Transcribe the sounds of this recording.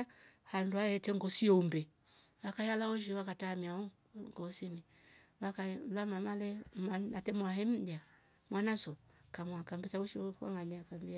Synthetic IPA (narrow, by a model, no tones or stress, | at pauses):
handuaɛtɛŋɡɔsiɔumbɛ | wakajalaɔʃ̬iwakatamiau | ŋɡɔsini | βakalamamalɛmaatɛmwaɦɛm̩da | mwanasɔkamwakambisawɔʃikwa̰ŋaɲakambia